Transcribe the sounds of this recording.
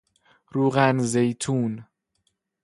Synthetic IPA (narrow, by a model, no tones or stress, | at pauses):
ɾuːɣænzejt̪ʰuːn